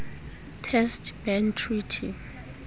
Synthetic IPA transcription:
tʰɛstʰbɛntʰritʰi

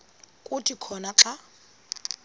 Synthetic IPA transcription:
kʼʊtʼikʰɔnaǁa

